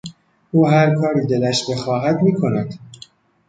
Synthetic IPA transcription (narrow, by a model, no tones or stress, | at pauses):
uːɦæɾkʰɒːɾiːd̪elæʃbexɒːɦæd̪miːkʰo̞næd̪̥